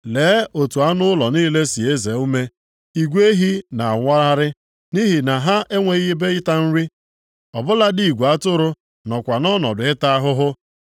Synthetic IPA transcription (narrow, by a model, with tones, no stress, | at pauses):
leː˨˦o˨tu˨a˦nʊ˦ʊ˦lɔ˨niː˦le˦si˨e˦ze˨˦u˦me˦ | i˨ɡʷe˦ɦi˦na˨a˨ŋʷa˦ɾa˦ɾɪ˦ | ni˦ɦi˨na˨ɦa˦ʔe˦ŋʷe˨ɣbe˦ɪ˦ta˦n̩˦ɾi˦ | ɔ˨bʊ˦la˦di˨i˨ɡʷa˦tʊ˦ɾʊ˦ | nɔ˨kʷa˨nɔ˦nɔ˨dʊ˨ɪ˦ta˦a˦ɦʊ˦ɦʊ˦